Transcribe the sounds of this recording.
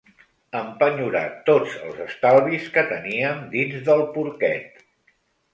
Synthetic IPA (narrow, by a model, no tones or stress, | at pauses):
əmpəɲuɾa̰t̪od͡zə̰lˠzəst̪alˠβiskət̪əniəmd̪inzðəlˠpuɾkɛt̪̚